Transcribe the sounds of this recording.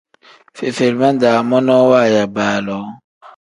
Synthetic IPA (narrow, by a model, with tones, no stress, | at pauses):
fe˨fe˨ɾmã˦n˦da˨mɔ̃˦nɔ̃˦wa˦˨ja˨baː˨lɔ˨˦